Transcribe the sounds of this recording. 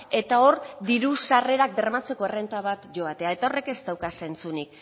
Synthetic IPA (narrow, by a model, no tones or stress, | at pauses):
e̞t̪ao̞rd̪iɾusare̞ɾak̚be̞rmat͡se̞ko̞ere̞nt̪aβ̞at̪ʝo̞at̪e̞ae̞t̪aore̞ke̞zt̪awkase̞nt͡sunik̚